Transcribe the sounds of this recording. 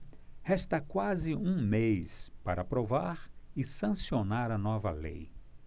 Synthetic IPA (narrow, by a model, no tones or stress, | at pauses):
hɛst̪ɐkwazɪũmejspaɾʔɐapɾovaɾɪsɐ̃sionaɾɐnɔvɐ̰lḛj